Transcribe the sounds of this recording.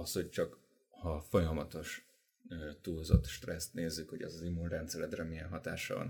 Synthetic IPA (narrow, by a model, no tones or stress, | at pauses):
ɒsho̞ct͡ʃɒk | hɒfo̞jɒmɒt̪o̞ʃ | t̪uːzo̰t̪ʃt̪rɛst̪neːzːykho̞ɟɛ̰zɒzimːunrɛnt̪sɛlɛd̪rɛmiɛnɦɒt̪a̰ːʃɒ̰vɒ̰n